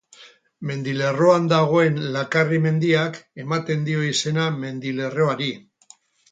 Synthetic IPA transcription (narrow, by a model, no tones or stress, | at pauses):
me̞nd̪ile̞ro̞and̪aɣ̞o̞e̞nlakarime̞nd̪iake̞mat̪e̞nd̪io̞ise̞name̞nd̪ile̞ro̞aɾi